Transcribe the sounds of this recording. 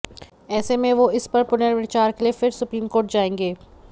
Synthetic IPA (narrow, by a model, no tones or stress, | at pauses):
ɛːsemẽʋoɪspɐɾpʊnəɾʋɪt͡ʃaːɾkeliefɪɾsʊpɾiːmkoːɾʈ̚d͡ʒaːẽːŋɡeː